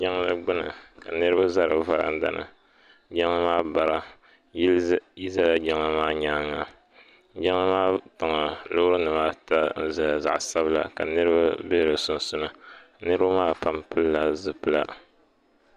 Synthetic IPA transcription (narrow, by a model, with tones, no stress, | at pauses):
d͡ʒa˦ŋ˦lɨ˦ɡ͡bʊ˦nɨ˨ka˨nɨ˦ɾɨ˦ba˦za˦ɾɨ˨va˦ɾa̰˦n˦da̰˦nɨ̰˨ | d͡ʒa˦ŋa˦maː˦ba˨ɾa˦ | ji˦za˦la˨d͡ʒa˦ŋa˦maː˦ɲaː˦ŋa˨ | d͡ʒa˦ŋa˦maː˦ta˨ŋa˨lʊ˦ɾɨ˦nɨ˨maː˦ta˦n̩˦za˨ja˨za̰˨ʔsa˦bɨ˦la̰˨ka˨nɨ˦ɾɨ˦ba˦be˦hɾɨ˨sʊ˨n˨sʊ˦nɨ˦ | nɨ˦ɾɨ˦ba˦maː˦˨pa˦mpɨ˦lla˦zɨ˨pɨ˦la̰˦